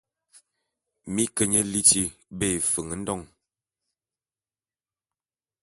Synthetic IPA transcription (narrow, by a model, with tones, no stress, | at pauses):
mi˦kə˨ɲə˦li˦ti˦be˦˨fə˨ŋə˨˦n̩˦dɔ˦˨ŋ